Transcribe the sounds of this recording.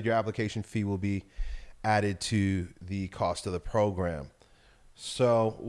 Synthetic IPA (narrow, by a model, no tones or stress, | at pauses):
t͡ʃə˞æpləkʰeɪʃn̩fiwɪlˠbi | æɾɨd̚tʰɨðɨkʰɔstʌvðəpʰɹ̥oʊɡɹæ̃m | soʊ